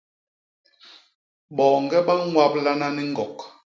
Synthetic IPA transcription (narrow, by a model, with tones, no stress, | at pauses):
ɓɔː˨ŋ˨ɡɛ˦ɓa˦ŋwa˦p̚la˦na˦ni˦ŋ̩˦ɡɔ˨k